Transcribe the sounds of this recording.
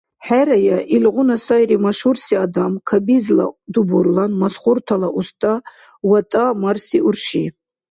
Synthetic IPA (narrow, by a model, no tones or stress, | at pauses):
ħæɾajaʔilʁunasajɾimaʃhuɾsiad̪amkʰabizla̰d̪ubuɾlanmasχuɾt̪ʰalaʔust̪ʼa | wat̪ʼamarsiʔuɾʃi